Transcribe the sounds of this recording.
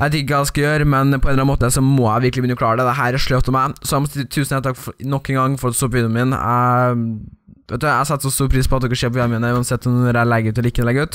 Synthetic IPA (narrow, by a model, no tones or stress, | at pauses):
jæt̪ʉɪkːəɑlskɑjøːɾmɛnpʰɔɛnɑnmoːt̪əsɔmɔæ̰ɪʋɪɾkəlɪbʏnːəkʰlɑːəɖɛd̪ɛɦæːɾæʂɭœt̪ɔmæɪsɔæmɔt̪t̪ʰʉːsnɛt̪ʰːɑkfnɔkːənɡɑŋːfɔɾɑt̪st̪oːpʋiːd̪ənmɪnæ̰ | ʋɛ̰t̪ʉɑæhɑsɛt̪ːsɔst̪uːɾpʰɾiːspʰɔɑt̪d̪ɪkːəʂeːpɔʋɑmiːnəʉːɑnsɛt̪ːɔɔɾælɛɡəɾʉːt̪ɔlɪkːəd̪əlɛɡːəʉːt̪